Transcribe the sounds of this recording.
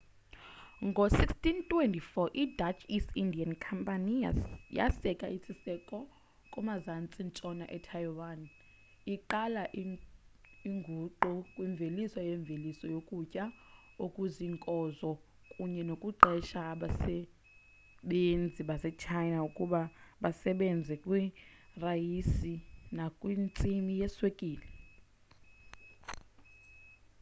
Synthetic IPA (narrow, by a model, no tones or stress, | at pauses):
ŋɡʱosikstʼintʼwɛntʼifɔʔidat͡ʃʰisindiankʰampʼanija̰sɛkʼaʔisʰisɛkʼɔ | kʼɔmazant͡sʼint͡sʼɔnaʔɛtʰajwan | iǃalaʔ | iŋɡʱuǃukʼwiɱvʱelisɔjɛɱb̪vʱelisɔjokʼucʼa | okʼuziŋkʼɔzɔ | kʼuɲɛnokʼuǃɛʃaːɓasɛ | ɓend͡zʱiɓasɛt͡ʃʰajnaukʼuɓaɓasɛɓɛnd͡zʱɛkʼwi | rajisinakʼwint͡sʼimijɛswekʼiːlɛ